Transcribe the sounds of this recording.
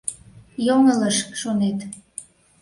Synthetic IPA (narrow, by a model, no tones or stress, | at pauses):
joŋələʃʃonet̪